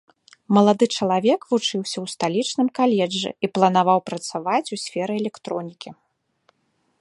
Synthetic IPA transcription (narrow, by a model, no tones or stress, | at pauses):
mɐlˠad̪ɨt͡ʂɐlˠavʲɛkvut͡ʂɨwsʲɐwst̪alʲit͡ʂnɨmkalʲɛd͡ʐːɨ̰iplˠɐnavawpɾɐt̪savat͡sʲusʲfʲɛɾɨɛlʲɛkt̪ɾɔnʲikʲi